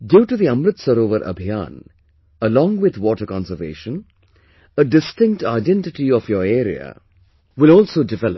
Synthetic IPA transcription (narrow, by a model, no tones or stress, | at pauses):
ɖjuːʈud̪iɐ̃mɾɪt̪səɾoːʋəɾʔɐ̰bʱijã̰ːn | əlɔ̃ːŋɡʋɪd̪ʋɔːʈəɾkɔ̃nsəɾʋḛːʃə̃n | əɖɪsʈɪ̃ŋk̚ʈaɪɖɛ̃nʈɪʈiɔfjɔːɾeːɾia̰ | ʋɪlɔːlsoːɖɪʋɛləp